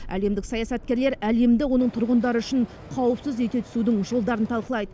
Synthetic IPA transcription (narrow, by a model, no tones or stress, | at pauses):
æ̰le̞md̪ɪksɑjɑsɑt̪̚kʲe̞ɾle̞ɾæle̞md̪ɪwo̞nəɴt̪ʰʊɾʁənd̪ɑɾəʏʃɪɴ | qʰɑwəpsɪzet̪e̞t̪ʰʏ̥sud̪ɪŋʒo̞lˠd̪ɑɾənt̪ʰɑlˠqəlˠɑjd̪ə